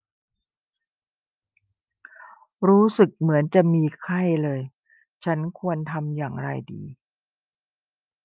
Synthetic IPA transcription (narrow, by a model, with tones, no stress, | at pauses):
ɾuː˦˥sɯ˨˩k̚mɯ˩˦ənt͡ɕa˨˩miː˧kʰa˥˩jlɤː˧j | t͡ɕʰa˦˥nkʰu˧ənt̪ʰa˧mjaː˨˩ŋɾa̰˧jdḭː˧